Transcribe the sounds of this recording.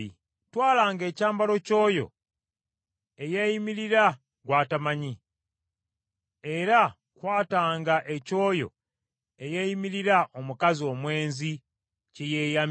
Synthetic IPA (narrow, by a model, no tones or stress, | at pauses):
i | twaːlaːŋɡe̞ːcaːmbalo̞co̞ːjo̞̰ | ejejimiɾiɾa | ɡwaːtamaɲi | eɾa | kwaːtaːŋɡaʔe̞co̞ːjo̞̰ | ejejimiɾiɾaʔomukazio̞ːmwe̞ːnzi | cejeːjam